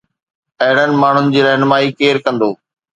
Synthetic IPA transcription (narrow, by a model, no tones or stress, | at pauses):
ɐɦɪɽ̤ənɪ̆maːɳ̤ʊnɪ̆d͡ʑiːɾɐɦnmaːikeːɾkɐ̃nd̪oː